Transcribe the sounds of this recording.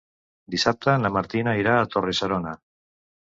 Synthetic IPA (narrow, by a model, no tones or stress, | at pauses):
d̪isap̚t̪anlamaɾt̪inaiɾaːt̪o̞risaɾona